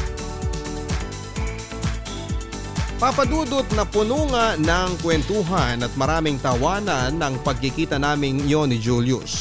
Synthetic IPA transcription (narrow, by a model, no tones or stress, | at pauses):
papɐd̪uːd̪ʊt̪̚nɐpʊnuːŋɐnɐŋkwɛnt̪uːɦanɐt̪̚mɐɾaːmɪŋt̪ɐwaːnɐnːɐŋpɐɡ̚kɪkiːt̪ɐnaːmɪŋɪjonɪd͡ʒuljʊ̰s